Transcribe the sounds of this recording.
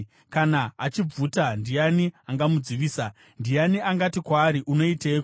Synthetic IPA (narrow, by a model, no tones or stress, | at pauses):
kanaːt͡ʃib͡vutandijaniaŋɡamud͡ziʋiːsa | ndijaniʔaŋɡatikwaːɾiʔuno̞iteko